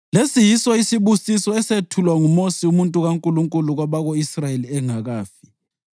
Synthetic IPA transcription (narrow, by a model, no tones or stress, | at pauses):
lesijisaisiβusisɔɛsetʰulwaŋumosiumuntʼuɣaŋkʼuluŋkʼuluɣwaβaɣoisrajeliɛŋaɣaːfi̥